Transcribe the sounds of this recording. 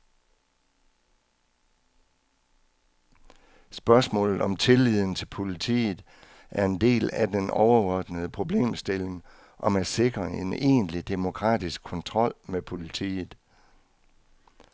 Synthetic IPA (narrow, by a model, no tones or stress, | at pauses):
sb̥ɶɐsmɔ̰ːlð̩ˠɒ̽mt͡sʰe̝lið̞̰ˠn̩t͡sʰe̝lpʰo̝lit͡sʰḭːð̩ˠ | ʔæɐe̝nd̥e̝̰ːlæd̥enɒʊɐɒd̥nəð̞̩ˠəpʰʁo̝b̥le̝̰ːmsd̥e̝leŋ | ʔɒ̽mæse̝ɡ̥ʁɐe̝ne̝̰ːnlid̥e̝mo̝kʰʁɑ̰̈ːd̥isɡ̥ʰɒ̽nt͡sʰʁɒ̽l̰mepʰo̝lit͡sʰḭːð̩ˠ